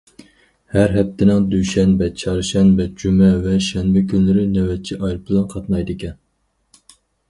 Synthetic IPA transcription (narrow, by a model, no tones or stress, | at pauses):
hæɾɦɛp̚t̪ʰːɪnɪŋd̪yʃɛnbɛt͡ʃʰɑɾʃɛnbɛd͡ʒymɛvɛʃɛnbɪkʲʰynlɪɾɪnɛwɛt̪̚t͡ʃʰiʔɑjlˠbɪlˠɛnqʰɑt̪nɑjd̪ɨkʲɛn